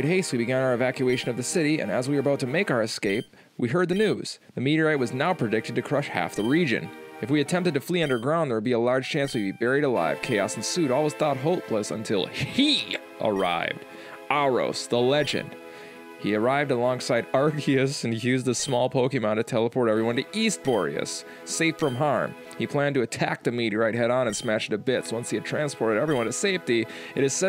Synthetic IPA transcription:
ɾ̚ɦeɪstwibɨɡæ̃ñaə˞ɨvækjʉeɪʃɨ̃nʌvðɨsɪɾiɨ̰̃nəzwiə˞əbaʊtʰɨmeɪkaʊə˞ɨskeɪp̚ | wiɦɜ˞d̪̚ðɨnʉz̥ðɨmiɾiɹaɪt̚wʌznaʊpʰɹ̥ɨdɪk̚tɨd̚tɨkʰɹ̥ʌʃhæ̰fðəɹid͡ʒɨ̰̃nɨfwiɨtʰɛ̃mptɨd̚tɨfliʌ̃ndə˞ɡɹãʊ̃nðə˞wlˠbiəlɑɹd̥ʒ̥t͡ʃʰæ̃nswɨbibɛɹiɾəla̰ɪv̥kʰeɪɑ̰sn̩sʉɾɔlˠwʌz̥θɔt̚ɦoʊlˠpʰləsə̰̃ntʰɪ̰lˠi | ʔə̰˞a̰ɪvd̥ | ɑɹo̰ʊsðəlɛd͡ʒɨ̰̃nd̥ | iə˞aɪvdəlɔ̃ŋsaɪɾɑɹkʰiɨsɨ̃n̩jʉzðəsmɔlˠpʰoʊkĩmãʊ̃nʌv̥tʰɛlˠəpʰɔɹɾɛvɹiwʌ̃ntɨist̚b̥ɔɹḭɨ̰s | eɪfɹʌ̃mɦɑɹm | ipʰl̥æ̃ntɨɨtʰæ̰k̚ðɨmiɾiɹaɪt̚ɦɛɾn̩ɨ̃nsmæʃðɨbɪtswʌ̃nshiɨd̚tʰɹ̥æ̃nspʰɔɹɾɨɾɛvɹiwʌ̃ntɨseɪfti | ɨɾɨz̥sɛ

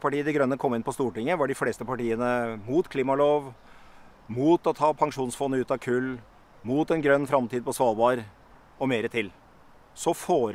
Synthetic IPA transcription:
pʰɑʈiːəd̪ɛɡɾœnːəkʰɔmːɪnpʰɔst̪uːʈɪŋːəʋɑɖɪfleːst̪əpʰɑʈiːənəmuːt̪kʰliːmɑloːʋ | muːt̪ɔt̪ʰɑːpʰɑŋʂuːnsfɔnːəʉːt̪ɑʋkʰʉlː | muːt̪ɛnɡɾœnːfɾɑmt̪ʰiːd̪əpɔsʋɑːlbɑːɾ | ɔmeːɾət̪ʰɪl | sɔfoːɾ

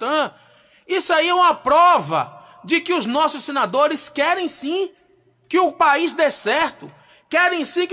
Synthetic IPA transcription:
t̪ɐ̃ | isaiũmɐpɾɔvɐ̰ | d͡ʒɪkɪʊznɔsʊssẽnad̪oɾɪskɛɾẽj̃sĩ | kɪʊpaizd̪esɛɾt̪ʊ | kɛɾẽj̃sĩk

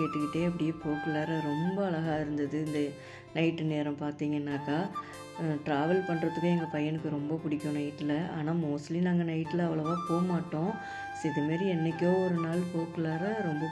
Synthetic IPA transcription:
eːʈːɯkːɪʈːeːɐp̬ːɐɽɪjefoːkɯlɐːɾɐɾɔmbɐːɭɐɣaːɪɾɯnd̪ɐðɯɪnd̪ɐ | nɐɪʈːɯneːɾɐmpaːɾt̪iːŋɡɐɪnːaːkːaː | ʈɾaːʋɐlpɐɳːɾɐt̪ːɯkːɯɛŋɡɐpɐjɐnɯkːɯɾɔmbɐpʊɽɪkʲːʊ̃nɐɪʈːɪlɐʔa̰ːnaːmoːslinaːŋɡɐnɐɪʈːɪlɐʋɐɭɐʋaːpoːmaːʈːõː | sɪðɐmaːɾiɛnːɛkʲːõːɔɾɯnaːlpoːkɯleːɾɐɾɔmbɐ

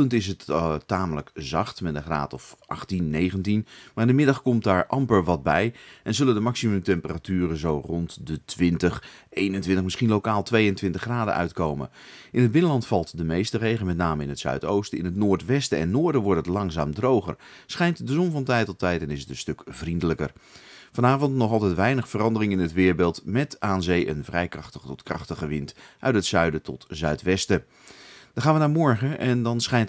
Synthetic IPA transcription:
əntɪs̬ətaːmələkzɑχtmɛndəχra̰ːtɔfʔɑ̰χtinːejχəntinmaːrɪndəmɪdɑχkɔmtdaːɹʔɑmpəɹʋɑd̚bɛjʔɛnzɵləndəmɑksimɵmtɛmpəratyːrənzowrɔntdətʋɪntəχejnəntʋɪntəχmɪsχinlokaːlˠtʋejəntʋɪntəχraːdə̰ʔœ̰ɥtkowmə̰ | ʔɪnəd̚bɪnəlɑntfɑlˠtdəmejstərejχəlmɛt̬naːməɪnətsœ̰ɥto̰wstɪ̰nətnʊːɹtʋɛstəɛ̰nːʊːɹdəʋɔɹtətlɑŋza̰ːmdrowχə̰ɹ | sχɛjntdəzɔnvɑntɛjtɔtɛjtɛnɪsətənstɵkvrindələkə̰ɹv̥ɑnaːvɔntnɔχɑlˠtɛtʋɛjnəχfərɑndərɪŋɪnətʋɪːɹbelˠtmɛtaːnzejʔə̰nvrɛjkrɑχtəχətɔtkrɑ̰χtəχəʋɪntʔœ̰ɥtɦətsœɥdətɔ̰tzœɥtʋɛstə | d̥ɑnχaːnʋənaːmɔɹχəʔɛndɑnsχɛjnt

